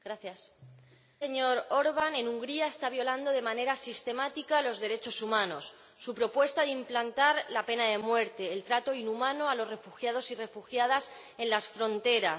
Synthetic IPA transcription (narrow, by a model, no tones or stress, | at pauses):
ɡ̥ɾaθjas | eɲo̞ɾo̞ɾβane̞nuŋɡɾiaest̪aβ̞jo̞land̪o̞ðe̞mane̞ɾasist̪e̞mat̪ikalo̞zðe̞ɾe̞t͡ʃo̞sumãno̞̰sː | upɾo̞pwe̞st̪aðeimplant̪aɾlape̞nað̞e̞mwe̞ɾt̪e̞ːlt̪ɾat̪o̞inumãno̞alo̞sre̞fuxjað̞o̞sire̞fuxjaðas | e̞nlasfɾo̞nt̪e̞ɾa